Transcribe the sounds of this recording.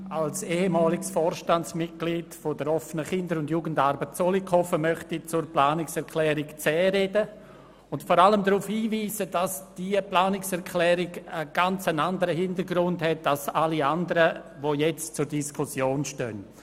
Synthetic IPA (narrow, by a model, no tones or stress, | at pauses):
alseːhemaːlɪɡsfɔːɾʃtant͡smɪt̚ɡ̥liːdfodəɾɔfənəχɪndəɾʊndjuːɡən̩daɾbətt͡solikʰɔfəmœχtit͡sʊɾplaːnɪksɛɾkʰlɛːɾɪkt͡sɛːɾedə | ʊntfɔɾaləmdɾuːfhiːviːzədasd̥iəplaːnɪksɛɾkʰlɛːɾɪɡəɡ̥ant͡sənandəɾəɦɪndəɾɡɾʊndhɛt̚dasaliandəɾəʋojɛt͡st͡sʊɾdiskʰʊsjoːnʃtœ̰n